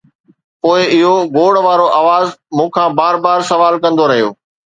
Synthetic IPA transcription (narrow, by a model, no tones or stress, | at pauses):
poːɪɪɦoɡoːɽʋaːɾoʔaːʋaːzmũːkʰãːbaːɾbaːɾsɐʋaːlkɐ̃nd̪oɾɐɦijo̰ː